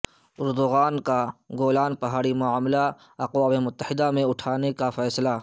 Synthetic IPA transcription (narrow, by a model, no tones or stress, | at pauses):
ʊɾd̪ʊɣaːnkaɡoːlaːnpɐɦaːɽimʊaːmla | ɐqwaːmemʊt̪ːəhɪd̪amẽʊʈʰaːnekafɛːsla